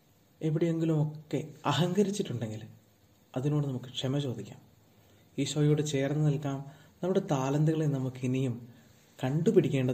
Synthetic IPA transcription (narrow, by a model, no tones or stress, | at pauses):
eʋiɽije̞ŋɡilumo̞kːe̞ɐɦɐŋɡɐɾit͡ɕːiʈːuɳɖe̞ŋɡil | ɐðino̞ːɽɨnɐmukːɨ̥kʂemɐt͡ɕo̞ːd̪ikʲːa̰ːm | iːɕojoːɽɨt͡ɕe̞ːrɐnːɨnɐlkaːmnɐmuɽe̞t̪aːlɐnd̪ɐɣɐɭenɐmukːɨinijum | kɐɳɖupiɽikʲːe̞ːɳɖɐ